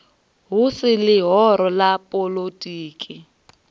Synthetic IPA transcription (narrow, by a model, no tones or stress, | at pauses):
ɦʊsɪlɪɦɔɾɔlapʼolotʼiːkʼɪ